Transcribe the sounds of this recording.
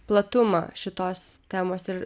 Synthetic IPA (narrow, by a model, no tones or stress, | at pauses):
plˠɐt̪ʊmɑ̰ːʃʲɪt̪oːst̪ʲæːmoːsɪɾ